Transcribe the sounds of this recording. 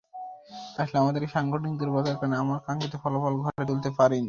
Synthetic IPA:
t̪aʃleamad̪eɾeʃaŋɡoʈikd̪eɾbɔd̪aɾkaneamaɾkaŋket̪efɔlofɔlɡʱɔʈat̪ult̪epaɾini

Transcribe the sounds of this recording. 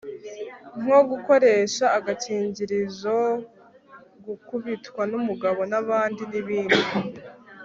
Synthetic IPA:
ŋ̥oɡuko̞ɾe̞ːʃaːɡaciːɲɟiɾizo | ɡukuβitwanumuɡaβo̞naβaːndiniβiːnu

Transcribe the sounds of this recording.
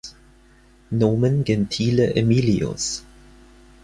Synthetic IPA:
noːmənɡɛntʰiːləʔemiːliʊ̰s

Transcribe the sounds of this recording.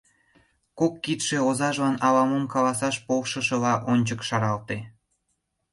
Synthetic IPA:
kokːit̪ʃeozɑʒlɑnɑlɑmomkɑlɑsɑʃpowʃə̆ʃə̆lɑʔonʲt͡ɕəkʃɑɾɑlt̪e

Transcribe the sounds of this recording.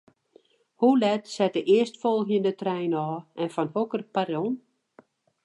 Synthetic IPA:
hulɛtsɛt̚əʔɪəstfɔlˠxjəndətrɛjnɔːɛnfɔnhokərparjon

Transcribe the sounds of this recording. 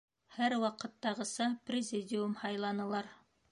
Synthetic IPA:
hæɾwɑqɤ̆t̪ːɑʁɤ̆sɑprʲɪzʲidʲɪumhɑjlˠɑnɤ̆lˠɑɾ

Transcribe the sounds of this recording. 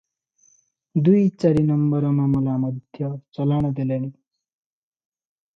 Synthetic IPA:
d̪ujt͡saɾinʌmbʌɾʌmamʌlamʌd̪ʱjʌt͡sʌlanʌd̪elani

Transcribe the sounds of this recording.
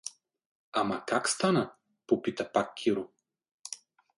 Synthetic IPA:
amɐkakst̪anə | popit̪əpakːʰʲiɾʊ

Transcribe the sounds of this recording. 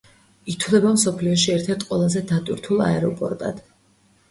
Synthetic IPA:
it̪ʰwlɛbamsɔpʰliɔʃiɛɾt̪ʰɛɾt̪̚ʰqʼwɛlˠazɛd̪at̪ʼwḭɾt̪ʰulˠa̰ɛɾɔpʼɔ̰ɾt̪ʼa̰d̪̥

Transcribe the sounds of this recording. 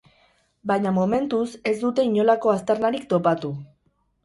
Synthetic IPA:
bajɲamome̞nt̪use̞zd̪ut̪e̞iɲo̞lako̞ast̪eɾnaɾikt̪o̞pat̪u

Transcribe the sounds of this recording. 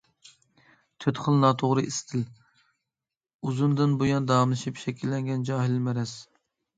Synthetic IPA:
t̪ʰøt̪χəlˠnɑːt̪ʰoʁɾɨʔist̪ʰɪl | uzund̪ɨnbujɑnd̪ɑmlˠɨʃipʃɛkʲʰilːɛŋɡʲɛnd͡ʒɑːɦɪlmɛɾɛs

